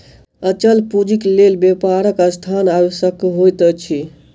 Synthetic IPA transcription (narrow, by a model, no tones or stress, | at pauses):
ət͡ʃəlpud͡ʒiklelbepaɾəkəst̪ʰanajsəkɦojt̪ət͡ʃʰi